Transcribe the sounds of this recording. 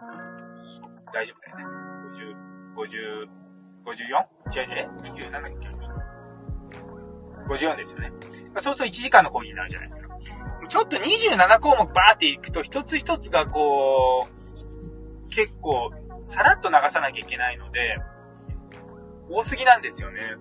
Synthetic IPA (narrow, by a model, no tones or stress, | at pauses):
so | d̪aiʑo̞bɯd̪ajoneɡoʑɨːɡ̥o̞ʑɨː | ɡ̥o̞ʑɨːjõŋ | t͡ɕiaɲeɲiʑɨːnanakkʲo | ɡo̞d͡ʑʑɨɯːjond̪e̞sɨjo̞ne̞maso̞ːsɨ̥t̪oit͡ɕiʑikãnːo̞ko̞ːɡʲiɲ̟ina̰ɾɯ̟ʑa̰na̰id̪eskḁmot͡ɕot̪ːo̞ɲ̟iʑɨːnanako̞ːmokɯbaːt̪ːe̞ikɯ̟̥t̪o̞çi̥t̪o̞t͡sɨç̬ʲi̥t̪o̞t͡sɨɡako̞ː | ke̞kːo̞ːsaɾat̪ːo̞naɡasanakʲaikʲe̞naino̞d̪e̞ | oːsɨɡʲinãnd̪e̞sɨjo̞ne̞